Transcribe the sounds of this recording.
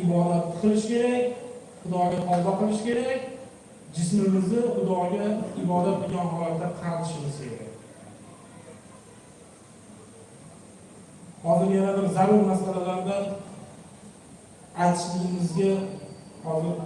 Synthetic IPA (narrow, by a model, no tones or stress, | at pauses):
ɪbɒd̪at̪ːɨ̥qʰɨlˠɪʃkʲʰe̞ɾakʲχʊd̪ɒɡʲat̪ʰɒlˠb̪aqɨlˠɪʃkʲe̞ɾakʲ | d͡ʒɪsmɪmɪznɪχʊd̪ɒɡʲaɪbɒd̪at̪̚bʊɡʲanɦɒlat̪ːaqʰɑɾt̪ʰɪ̥ʃbosaḛd̪ɪ | hɒzɪɾjanabɪɾzaɾʊɾmasalalaɾd̪an | ajt̪ʰɪ̥ʃlɪɾɪmɪzɡʲahɒzɪɾ